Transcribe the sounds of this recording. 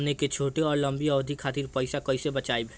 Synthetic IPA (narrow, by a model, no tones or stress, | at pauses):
neket͡ʃʰoːʈeɔːɾlɐ̃mbiɔːd̪ʱikʰaːt̪iːɾpɛɪsakɐisebɐt͡ʃaːibʱ